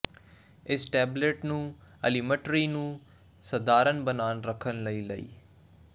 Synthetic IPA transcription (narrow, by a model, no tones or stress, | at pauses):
ɪsʈɛːbleːʈnũːɐlimə̃ʈɾinũː | sɐd̪aːɾənbənaːnɾəkʰənlɐilɐḭː